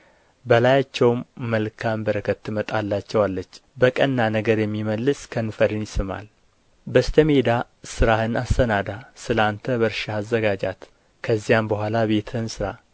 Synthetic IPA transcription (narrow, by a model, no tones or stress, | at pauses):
bəlajat͡ʃːɛwmːəlkʰambəɾəkʰət̪ːɨmət̪ʼalːat͡ʃːɛwalːət͡ʃːbəkʼənːanəɡəɾjɛmːiməlːɨskʰənfəɾɨnjɪsɨma̰l | bəst̪ʰəmed̪a | sɨɾahɨnast̪ʰənad̪asɨlant̪ʰəβəɾʃaːzːəɡad͡ʒa̰t̪ | kʰəzːijambəhʷalaβe̞t̪ʰɨnsɨɾa